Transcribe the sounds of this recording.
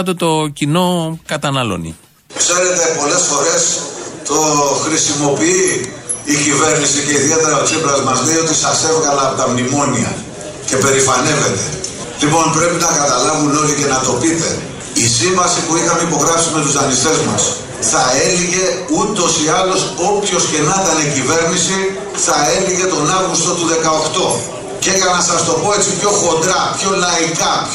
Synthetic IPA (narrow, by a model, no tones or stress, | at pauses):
t̪ot̪o̞cino̞kɐt̪ɐnɐlo̞̰nḭ | kse̞ɾe̞t̪e̞po̞le̞sfo̞ɾe̞st̪o̞xɾisimo̞piiː | cive̞ɾnisice̞iðie̞t̪e̞ɾɐoksibɾɐzmɐzlejo̞t̪isɐse̞vɣɐlɐːpot̪ɐmnimo̞niɐ̰ | ce̞pe̞ɾifɐne̞ve̞t̪e̞ | lipo̞npɾe̞pinɐkɐt̪ɐlɐvuno̞lice̞nɐt̪o̞pit̪e̞ | isiɱvɐsipuixɐmeipo̞ɣɾɐfsime̞t̪uzðɐnist̪e̞zmɐ̰s | θɐe̞liʝe̞ut̪o̞siɐlo̞so̞pço̞sce̞nɐt̪ɐneiciveɾnisi | θɐe̞liʝe̞t̪o̞nɐvɣust̪o̞t̪uðe̞kɐo̞xt̪o̞ | ce̞ʝɐnɐsɐst̪o̞po̞e̞t͡sipço̞xo̞nd̪ɾɐpço̞lɐikɐp